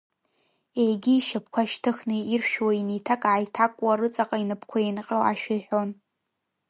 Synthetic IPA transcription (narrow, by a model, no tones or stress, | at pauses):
ejɡʲiːʃap̚ʰkʷʰaʃtʰɨxnɨirʃᶣwainijtʰakʼʕajtʰakʷʼwaɾɨt͡sʼaqʼainɨpʰkʷʰaenqʲʼɪla̰ʃᶣɪjħʷᶣon